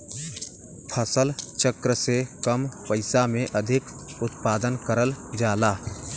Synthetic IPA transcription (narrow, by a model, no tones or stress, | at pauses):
pʰəsəlt͡ʃəkɾəsekəmpəɪsamẽʔəd̪ʱɪk | ʊt̪paːd̪ənkəɾəld͡ʒaːlaː